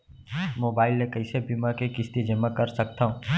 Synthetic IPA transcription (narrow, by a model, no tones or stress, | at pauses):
moːbaːɪlːekɐɪsebimakekɪst̪id͡ʒəmːakɐɾsɐkt̪aũ